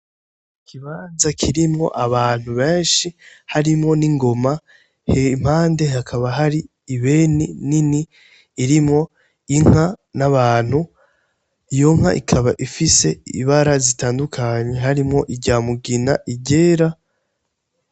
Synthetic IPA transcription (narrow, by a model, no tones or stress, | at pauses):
kʰiβaːnzakʰiɾimŋo̞̰ʔaβaːn̥huβe̞ːnʃihaɾimŋo̞niŋɡo̞ma | hem̥haːnde̞hakʰaβaɦaɾiː | βe̞nininiː | ɾimŋo̞ | iŋ̥anaβaːn̥hu | ijo̞ŋ̥ha̰ʔikʰaβaʔifise̞ḭβaɾazitaːndukʰaɲe̞ɦaɾimŋo̞ʔiɟɟaːmuɡinaʔiɟe̞ːɾa